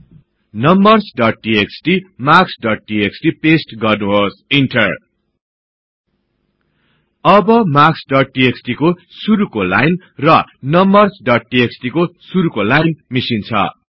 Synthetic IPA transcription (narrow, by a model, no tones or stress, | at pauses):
nʌmbʌrsɖʌʈ̚ʈieksʈimaksɖʌʈ̚ʈieksʈipesʈɡʌrnuɦosinʈʌr | ʌbʌmaksɖʌʈ̚ʈieksʈikosuɾukola̰jn | rʌnʌmbʌrsɖʌʈ̚ʈieksʈikosuɾukolajnmisint͡sʰʌ̰